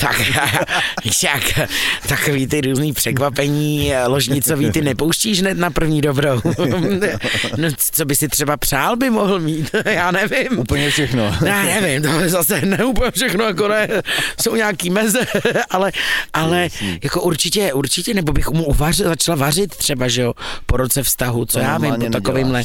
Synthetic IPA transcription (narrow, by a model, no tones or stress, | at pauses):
t̪a̰kjaːjaviʃakt̪akoviːt̪ɪɾuːzniːpr̥ɛkvapɛɲiːloʒɲɪt͡so̞viːt̪ɪnɛpowʃciːʒɦnɛt̪napr̩vɲiːdo̞bɾow | no | t͡sobɪsɪt̪r̥ɛbapr̝̥aːlbɪmoɦl̩miːt̪jaːnɛvɪmuːpl̩ɲɛfʃɛxnojaːnɛvɪmt̪oɛzasɛnɛuːp̬l̩ɲɛfʃɛxnojak̬onɛːsowɲaːkiːmɛzɛʔalɛʔalɛjako̞ʔuɾt͡ʃɪcɛʔuɾt͡ʃɪcɛnɛbo̞bɪxmuʔuvarɪzat͡ʃlavarɪt̪t̪r̝̥ɛbaʒɛopoɾot͡sɛfst̪aɦut͡sojaːvɪmpot̪akovɪːmlɛ